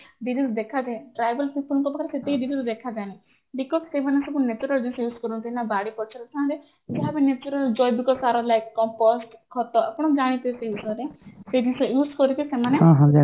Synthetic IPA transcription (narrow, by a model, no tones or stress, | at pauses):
ɖ̪iɾid̪d̪ekʰad͡ʒãʈɾajbəlpipʰuɔŋkɔbakʰɾeset̪ikid̪iɾid̪d̪ekʰad͡ʒani | ɖikːɔksemanesebunet͡ʃuɾɔld͡ʒĩnsɔjuːskɔɾut̪ʰiinabaɽipɔt͡ʃʰɔɾɔt̪ʰãɦãɾe | d͡ʒeɦabenet͡ʃuɾɔld͡ʒɔjbikɔsaɾɔlajkːɔmposʈhɔt̪ɔapɔɽ̃ɔd͡ʒaɽ̃it̪iseusɔɾesed͡ʒ̪isɔjuːskɔɾit̪ʰisemaneɔ̃ɦɔ̃d͡ʒa